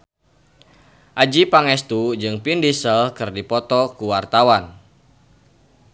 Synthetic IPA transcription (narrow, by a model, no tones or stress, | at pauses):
ʔad͡ʒipaŋɛst̪ud͡ʒɨŋpindisəlkɨrdipɔt̪ɔkuwart̪awan